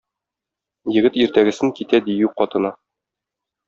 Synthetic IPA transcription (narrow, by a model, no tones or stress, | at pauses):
jɘ̆ɡɘt̪iɾt̪æɡɘ̆sɘŋkit̪æd̪ijʉqɒt̪ɤ̆nɑ